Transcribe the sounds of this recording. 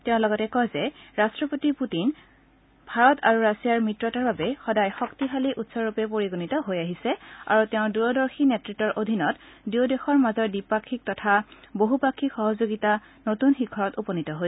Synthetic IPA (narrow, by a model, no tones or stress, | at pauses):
tɛʊ̃lɔɡɔtɛkɔjzɛɹastɹɔpotiputin | bʱaɹɔta̰ɹuɹasijaɹmɹitɹɔtaɹbabɛxɔdajxɔktiɦaliʔutsɔɹupɛpoɹiɡunitɔɦojaɦisɛa̰ɹutɛʊ̃duɹɔdɔɹxʰinɛtɹitːɔɹʔodʱinɔtdiodexɔɹmazɔɹdipakʰːik̚tɔtʰaboɦupakʰːikxɔɦɔzoɡita | notunxikʰɔɹɔtupɔnitɔɦoj